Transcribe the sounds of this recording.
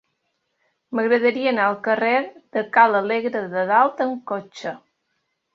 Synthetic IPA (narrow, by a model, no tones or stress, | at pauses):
məɣɾəðəɾiəːnaəlˠkəreɾd̪̥əkaləleɣɾəðəðalˠt̪əŋkot͡ʃə